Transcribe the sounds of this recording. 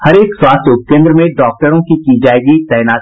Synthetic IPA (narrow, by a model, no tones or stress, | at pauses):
hɐɾeːkswaːst̪ʊpkẽːnd̪ɾəmẽɖɔːk̚ʈəɾõkikid͡ʒaːeːɡit̪ɛːnaːt̪